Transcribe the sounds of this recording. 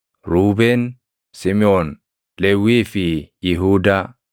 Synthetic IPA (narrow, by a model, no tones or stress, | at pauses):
ɾubɛn | simiɔn | lewifijiɦuda